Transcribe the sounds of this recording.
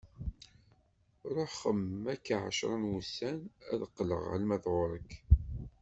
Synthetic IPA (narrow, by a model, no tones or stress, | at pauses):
ɾˤoħχəmːækːaʕa̰ʃɾˤənwusænæ̰ðəqːlə̰ʁʕə̰lmæðʁʊɾˤəkː